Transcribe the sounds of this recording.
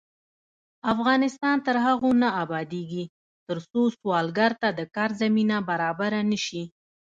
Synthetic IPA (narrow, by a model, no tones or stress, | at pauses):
afɣɑnɪst̪ɑnt̪əɾɦaɣonaabɑd̪eɡi | t̪əɾsoswɑlɡaɾt̪ad̪əkɑɾzaminabaɾɑbaɾanəʃi